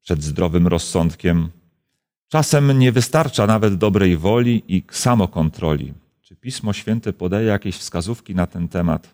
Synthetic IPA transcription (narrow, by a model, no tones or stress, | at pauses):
pʂɛd̪zd̪ɾɔvɘmɾɔsːɔnt̪kʲɛm | t͡ʂasɛmɲɛvɘst̪aɾt͡ʂanavɛd̪ːɔbɾɛjvɔlʲiʔisamɔkɔnt̪ɾɔ̰lʲḭ | t͡ʂɘpʲismɔɕfʲjɛnt̪ɛpɔd̪ajɛjakʲeɕfskazufkʲinat̪ɛnt̪ɛma̰t̪